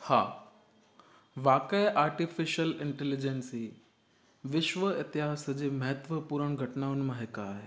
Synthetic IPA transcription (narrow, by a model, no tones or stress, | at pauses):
ha̰ː | ʋaːkəjʔaːɾʈifɪʃəlɪ̃ɳʈɛlɪd͡ʑensi | ʋɪʃʋəɪt̪ɪɦaːsd͡ʑeːmɐɦət̪ʋəpuːɾəɽ̃ɡʱɐʈnaːʊnmãɦɪkaːɦe